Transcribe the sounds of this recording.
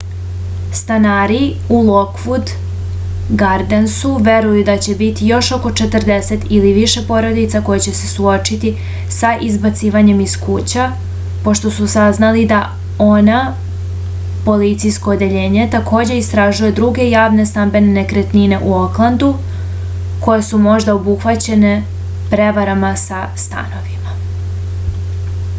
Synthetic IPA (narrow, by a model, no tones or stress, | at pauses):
st̪anaːɾi | ulˠo̞kfud̪ | ɡaɾd̪ensuʋe̞ɾujud̪at͡ɕe̞bit̪ijo̞ʃo̞ko̞t͡ʃe̞t̪r̩d̪e̞se̞t̪iliʋiʃe̞po̞ɾo̞d̪it̪sako̞jet͡ɕe̞se̞̥suo̞t͡ʃit̪i | saʔizbat̪siːʋaɲe̞miskuːt͡ɕa | po̞ʃt̪o̞susaznalid̪a | o̞na | po̞lit̪sijsko̞ːd̪e̞ʎe̞ːɲe̞t̪ako̞ːd͡ʑe̞ist̪ɾaʒuje̞d̪ɾuɡe̞jaːʋne̞st̪ambe̞nene̞kɾet̪nine̞ʔuoklˠand̪u | ko̞jesumo̞ʒd̪aobuxʋat͡ɕe̞ne̞ | pɾe̞ʋaɾamasa | st̪a̰no̞ʋima